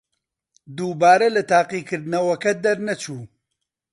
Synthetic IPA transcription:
d̪uːbaːɾɐlɨt̪aːqiːkʰɨɾd̪nɐwɐkɐd̪ɐɾnɐt͡ʃʰuː

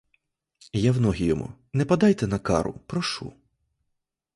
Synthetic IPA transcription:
jawnɔɦʲijɔmṵnɛpɐd̪ɑjt̪ɛnɐkɑ̰ɾʊ̰pɾɔʃṵ

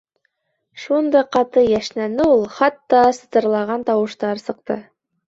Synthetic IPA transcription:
ʃund̪ɑjqɑt̪ɤjæʃnænɘulˠχɑt̪ːɑsɤ̥̆t̪ɤ̆ɾlˠɑʁɑnt̪ɑwɤ̆ʃt̪ɑɾsɤ̆q̚t̪ɤ̰

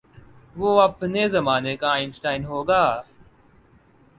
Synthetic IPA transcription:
ʋoːɐpnezɐmaːnekaːɪnsʈaːɪnɦoːɡaː

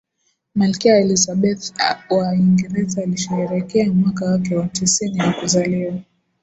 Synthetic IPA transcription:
malkɛaɛlisaɓɛθwaiŋɡɛɾɛzaːliʃɛɛɾɛkɛamwakawakɛwatisiniwakuzaliwa

